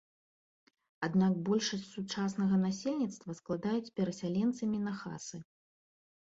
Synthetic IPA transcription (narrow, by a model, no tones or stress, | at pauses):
ad̪nak̚bɔlʲʂɐsʲt͡sʲsut͡ʂasn̪ɐɣɐnasʲelʲnʲit̪st̪vɐsklˠad̪ajut͡sʲpʲɛɾɐsʲalʲɛnt̪sɐmʲinɐxa̰sɨ